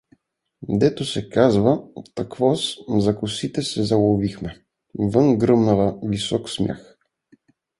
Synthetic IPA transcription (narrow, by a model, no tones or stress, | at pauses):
d̪ɛt̪osɛkazvət̪ɐkvɔszɐkʊsit̪ɛsɛzɐlˠovixmɛ | vɤnɡɾɤmnɐvəvisɔksmʲja̰x